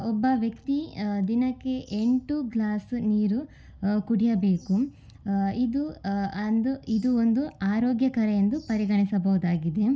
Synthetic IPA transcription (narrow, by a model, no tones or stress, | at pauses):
ɔbːɐʋjɐkt̪id̪inɐkːe̞ʔeɳʈuɡlaːsniːɾu | kuɽijɐbeːku | id̪uɐnd̪uid̪uond̪uaːɾoːɡjɐkɐɾɐjend̪upɐɾiɡɐɳisɐbɐʋud̪aːɡid̪e̞